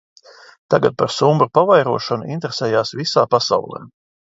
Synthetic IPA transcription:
t̪aɡat̪̚paɾsumbɾupavajɾuɔʃɔnuḭnt̪ɾesɛːjaːsvisaːpasa̰wlˠɛ̰ː

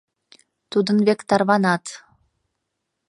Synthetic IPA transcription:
t̪ud̪ɤ̆nβekt̪ɑrβɑnɑt̪

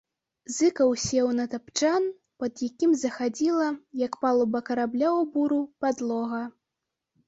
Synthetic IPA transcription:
zɨkɐwsʲɛwnɐt̪apt͡ʂan | pɐd̪jakʲimzɐxad͡zʲilˠɐjɐkpalˠubɐkɐɾablʲawbuɾupad̪lˠɔɣɐ

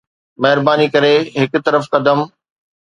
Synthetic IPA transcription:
mɐɦɪɾbaːnikɐɾeɦɪkʊt̪ɐɾəfkɐd̪əm

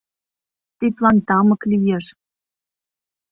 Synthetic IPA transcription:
t̪it̪lɑnt̪ɑmɤ̆klijeʃ

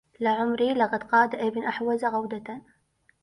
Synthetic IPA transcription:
laʕʊmɾilɑqɑd̪qɑːd̪aʔɪbnʔaħwazaɣawd̪at̪a

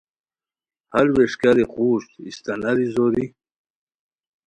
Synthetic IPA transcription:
halweʂkaɾiquːʂt̪ist̪anaɾizoɾi

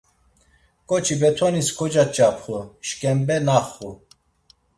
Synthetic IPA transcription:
kʼɔt͡ʃʰibɛt̪ʰɔniskʰɔd͡ʒat͡ʃʼapʰχuʃkʼɛmbɛnaχːu

